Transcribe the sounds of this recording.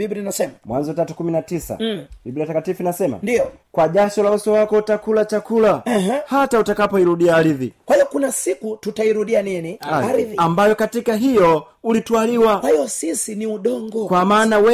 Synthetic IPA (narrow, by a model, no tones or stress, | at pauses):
ɓibɾinasɛmamwanzɔtatukuminatisa̰ɓibɾiatakatifunasɛma̰ndijɔkwaʄaʃɔlausɔwakɔt͡ʃakulat͡ʃakulahatautakapɔiɾuɗiaːɾiðikwaijɔkunasikututaiɾuɗianiniaɾiðiambajɔkatikaɦijɔ | ulitualiwawahijɔsisiniuɗɔŋɡɔkwamaːnawɛ